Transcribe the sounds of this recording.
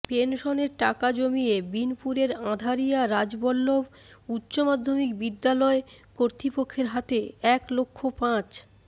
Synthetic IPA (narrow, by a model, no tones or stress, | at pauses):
penʃoneɾʈakad͡ʑomiebinpuɾeɾãd̪ʱaɾijaɾad͡ʑbɔlːob | utːɕomad̪ʱːomikbid̪ːalɔekoɾt̪ɾipokʰːeɾɦat̪eɛklokʰːopãt͡ɕ